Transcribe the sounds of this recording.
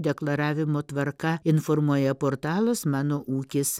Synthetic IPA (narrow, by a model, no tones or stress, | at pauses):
d̪ʲɛklˠɐɾɑːʋʲɪmoːt̪ʋɐɾkɐɪnfɔɾmuɔjɛpoːɾt̪ɑːlˠʊsmɑːnoːʔuːkʲɪs